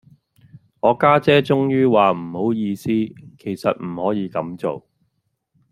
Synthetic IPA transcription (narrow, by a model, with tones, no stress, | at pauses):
ŋɔː˨˧kaː˥t͡sɛː˥t͡sʊ˥ŋjyː˥waː˨m̩˨˩ho˨˥wjiː˧siː˥kʰe˨˩jsɐ˨t̚m̩˨˩hɔː˨˥jiː˨˧kɐ˨˥mt͡so̰˨w